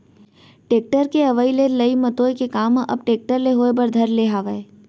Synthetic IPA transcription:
ʈeːk̚ʈəɾkeɐʋəilelɐimɐt̪oːjkekaːmʔɐ̰b̚ʈeːk̚ʈəɾleɦoːebɐɾd̪ʱɐɾleɦaːʋəe

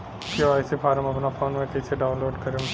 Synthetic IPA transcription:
kjoaːsepʰaːɾəmɐpnapʰoːnmẽkɐɪseɖaʊnloːɖkɐɾem

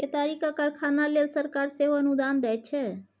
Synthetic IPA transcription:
et̪aɾikakəɾkʰanalelsəɾkaɾseɦoənud̪and̪ɛjt̪̚t͡ʃʰɛ

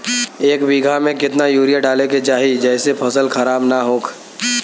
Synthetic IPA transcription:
eːkbiːɡʱamẽkɪt̪najuːɾijaɖaːleket͡ʃaːɦid͡ʒɛːsepʰəsəlkʰəɾaːbnaɦoːkʰ

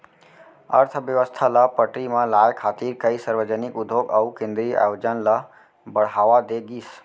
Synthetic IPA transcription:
ə̰ɾt̪ʰbjəʋəst̪ʰalapəʈɾimẽlajkʰat̪iɾkəisəɾwəd͡ʒənikud̪ʱoɡaukẽnd̪ɾia̰jod͡ʒənla | bəɽ̤ɦaʋad̪eɡis

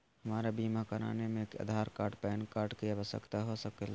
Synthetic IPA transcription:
hɐmaːɾabiːmakəɾa̰ːnemẽka̰ːd̪ʱaːɾkaːʈpɛːnkaːɾʈkiabəsə̰kt̪aɦosəkela

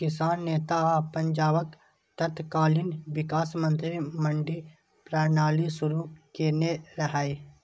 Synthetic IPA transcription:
kɪsaːnːeːt̪apə̃ɲd͡ʒaːʋək | t̪ɐt̪ʰkaːlɪnʋɪkaːsmə̃nt̪ɾimə̃ɳɖi | pɾaːɾnaːlisʊɾukeːneɾɐɦaːi

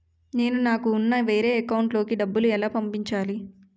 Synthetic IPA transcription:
ne̞ːnunaːkuːnːɐʋe̞ːɾe̞ːkɐwɳʈlo̞ːkiɖɐbːuluɛlaːpɐmpiɲt͡ʃaːli

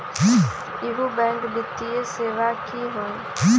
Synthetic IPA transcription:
ɦi | ɪɦubɛ̃ŋɡbɪt̪ːieseːʋakiːɦoː

